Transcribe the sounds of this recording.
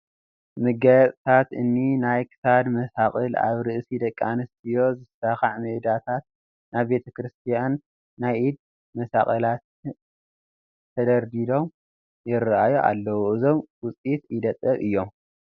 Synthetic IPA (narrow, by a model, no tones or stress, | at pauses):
mɨɡɐjɐt͡sʼt̪ʰat̪ɨnːinajkʰɨ̥sad̪mɐsaχʼɨla̰βɾɨʔsid̪ɐkʼːa̰nɨst̪ʰɨjo̞zɨsaxaʕmɨʔd̪at̪ʰat̪̚ | naβbe̞t̪ʰɐkʰɾɨst̪ʰijanː | ajʔid̪̚ | mɐsa̰χʼɨlat̪ | ɐd̪ɐɾd̪id̪o̞m | jɪɾʔajuʔa̰lːɐwuʔɨzo̞mwʊt͡sʼit̪id̪ɐt̪ʼːɐβɨjːo̞m